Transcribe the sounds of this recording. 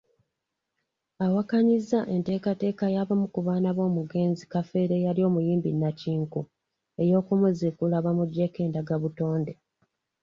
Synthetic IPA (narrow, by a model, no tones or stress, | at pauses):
awakaɲizːaʔe̞nte̞ːkate̞ːkajaβamukuβaːnaβo̞ːmuɡe̞ːnzikafe̞ːɾe̞jaljo̞ːmujiːmbinːaciːŋku | e̞jo̞ːkumuzekulaβamuɟe̞ke̞ːndaɡaβuto̞ːnde̞